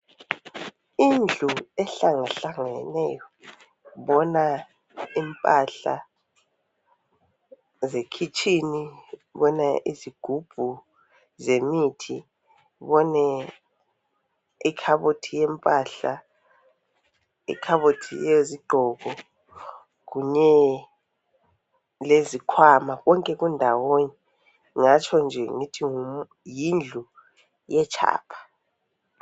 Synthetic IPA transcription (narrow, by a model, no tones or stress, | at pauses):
ind͡ɮʱuɛɬaŋaɬaŋɛnɛjɔ | βɔna | impʼaɬa̰ | zekʰit͡ʃʼiniβɔnaʔiziɡ̥ʱub̥ʱu | zemitʰi | βɔnɛ | ikʰaβotʰijɛmpʼaːɬa | ḭkʰaβotʰḭjɛjoziɡ͡ǃʱɔːkɔ | k̬uɲɛ | lezikʰwamaɣɔŋkʼɛɣ̬undʱawoni | ŋat͡ʃʰɔnd͡ʒʱɛŋitʰiŋu | jind͡ɮʱu | jɛt͡ʃʰa̰ːpʰḁ